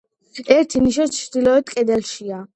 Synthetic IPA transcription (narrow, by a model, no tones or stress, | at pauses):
ɛɾt̪ʰiniʃɔt͡ʃʰɾd̪ilɔɛt̪kʼɛd̪ɛlʃia